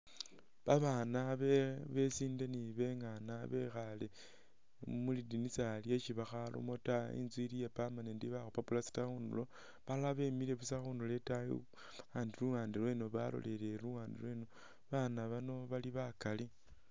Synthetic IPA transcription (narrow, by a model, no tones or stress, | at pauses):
βaβaːnaβeβe̞siːndeniβe̞ŋanaβe̞xale̞ | mulidinisaljet͡ʃiβaxalo̰mo̞taḭnzwilijapamanendiβaxopapulasi̥taunṵlo̞ | βaaβe̞mile̞βusaxundule̞tajḭ | aːndiluwaːndilwe̞noβa̰lo̞̰lele̞luwaːndḭlwe̞no | βanaβano̞βaliβakali